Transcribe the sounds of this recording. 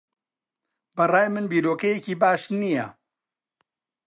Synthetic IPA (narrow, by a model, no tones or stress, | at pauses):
bɐraːjmɨnbiːɾoːkɐjeciːbaːʃnijɐ̰